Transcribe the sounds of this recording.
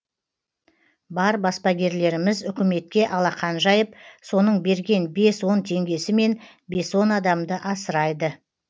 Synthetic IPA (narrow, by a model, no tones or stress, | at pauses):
bɑɾbɑspɑɡʲe̞ɾle̞ɾɪmɪzʏkʲɪme̞t̪̚kʲe̞ʔɑlˠɑqɑnʒɑjəp̚so̞nəɴbe̞ɾɡʲe̞nbe̞swo̞nt̪ʰe̞ŋɡʲe̞sɪme̞n | be̞swo̞nɑd̪ɑmd̪əʔɑsəɾɑjd̪ə